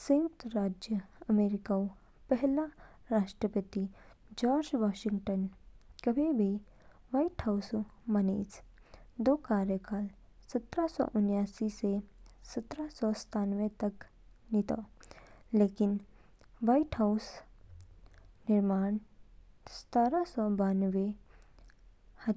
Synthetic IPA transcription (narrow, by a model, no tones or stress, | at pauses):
sẽwt̪ɾaːd͡ʒjəɐmeːɾɪkao | pɛɦla | ɾaːʃʈɾəpət̪i | d͡ʒɔːɾd͡ʒʋaːʃɪ̃ŋɡʈənkɐbʱibʱi | ʋaiʈhaʊsmɐnḛːs | d̪oːkaːɾjəkaːl | sɐt̪ɾasɔ̰ʔʊnjaːsisesɐt̪ɾasɔst̪ʰaːnʋet̪ɐk | nit̪o̰ːleːkɪn | ʋajʈhaʊs | nɪɾmaːɳ | st̪aːɾasɔbaːnʋe | hɐ